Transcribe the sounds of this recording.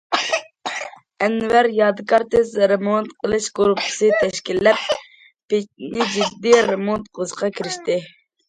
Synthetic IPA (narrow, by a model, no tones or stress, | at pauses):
ɛnvæɾjɑd̪ɨkɑɾt̪ezɾemot̪qʰəlˠɨʃɡuɾupʰɨ̥sɨt̪ʰɛʃkʲilːɛp̚ː | et͡ʃ̚nɪd͡ʒid̪ːiɾemot̪qozqʰɑkʰʲiɾɪʃt̪ɪ